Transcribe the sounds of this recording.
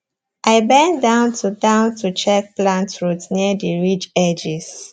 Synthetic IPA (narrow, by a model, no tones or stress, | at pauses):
ʔaɪbɛ̃ndãʊ̃ntʰutãʊ̃ntut͡ʃɛk̚plãntɹutsniədiɹit͡ʃɛd͡ʒis